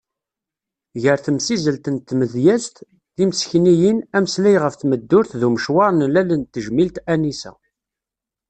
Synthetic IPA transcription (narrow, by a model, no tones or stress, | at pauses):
ʝəɾθəmsizəlt̪ənt̪ːməðjæst̪ | ðimsçnijinæməslæjʁəfθməd̪ːʊɾθðuməʃwɑɾˤnlælənt̪ːəʒmilt̪ænisæ̰